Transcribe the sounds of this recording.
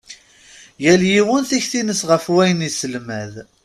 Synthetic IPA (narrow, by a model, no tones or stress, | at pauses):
jæljiwənθiçθinəsʁəfwæjənisəlmæð